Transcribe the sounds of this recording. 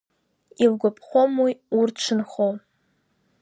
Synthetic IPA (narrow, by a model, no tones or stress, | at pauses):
ilɡʷʊpʼχʷomwiurʈ͡ʂʷʰɨnχow